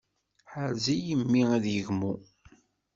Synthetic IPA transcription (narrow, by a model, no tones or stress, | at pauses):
ħəɾzijəmːiæðjəʝmu